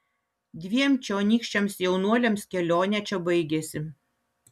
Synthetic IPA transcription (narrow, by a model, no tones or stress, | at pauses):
d̪ʲʋʲiɛmt͡ʃʲoːnʲiːkʃʲt͡ʃʲɛmsjɛʊnuɔlʲɛmskʲɛlʲoːnʲɛt͡ʃʲɛbɐɪɡʲɛsʲɪ